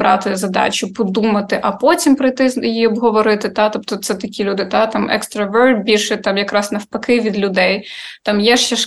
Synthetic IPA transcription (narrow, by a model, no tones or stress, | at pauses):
ɾɑ̰t̪ɪzɐd̪ɑ̰t͡ʃʲʊpɔd̪umɐt̪ɪʔɐpɔtʲimpɾɐjt̪ɪznjiɔbɦɔʋɔɾɪt̪ɪt̪ɑt̪ɔpt̪ɔt̪sɛt̪ɐkʲilʲud̪ɪt̪ɑt̪ɑmɛ̰kst̪ɾɐʋɛrl̚ʲbʲilʲʃɛt̪ɑmjɐkɾɑsnɐwpɐkɪʋʲid̪lʲʊd̪ɛjt̪ɑmjɛʃt͡ʃɛʃ